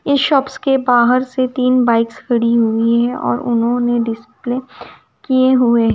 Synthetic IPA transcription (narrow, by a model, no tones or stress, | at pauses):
ɪʃɔːpskebaːɦəɾset̪iːnbaːɪkskʰɐɽiɦuiɦɛ̃ʔɔ̰ːɾʊ̰nɦõneɖɪspleː | kieɦueɦɛ